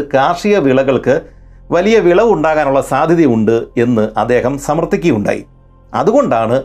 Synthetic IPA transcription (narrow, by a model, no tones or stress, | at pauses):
kaːʂijɐʋiɭɐɣɐɭkɨʋɐlijɐʋiɭɐʋuɳɖaːɣaːnuɭːɐsaːd̪ʱjɐðjiuɳɖɨe̞nːɨʔɐd̪ːe̞ːɦɐmsɐmɐrt̪ːikʲːijuɳɖa̰ːjḭ | ɐ̰ðuɣo̞ɳɖaːɳɨ